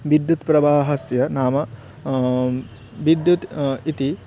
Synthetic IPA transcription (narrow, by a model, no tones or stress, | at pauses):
ʋid̪jut̪pɾɐbaːɦɐsjɐnaːmɐ | ʋid̪jut̪it̪i